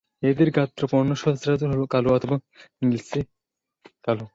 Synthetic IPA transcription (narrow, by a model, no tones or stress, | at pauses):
ed̪eɾɡat̪ːɾɔpɔɾnːoʃɔd̪sɾad͡ʒoɦolokaloat̪ʰɔba | nilse | kalo